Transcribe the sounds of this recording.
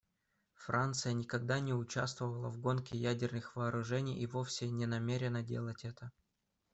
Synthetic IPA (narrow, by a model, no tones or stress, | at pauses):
fɾʔant̪sɨjənʲɪkɐɡ̚d̪anʲɪʊt͡ɕast̪vəvəlˠəvɡo̞nkʲɪjædʲɪrnɨxvɐːɾʊʐɛnʲɪjɪvofsʲɪnʲɪnɐmʲeɾʲɪnədʲḛlˠətʲɛt̪ə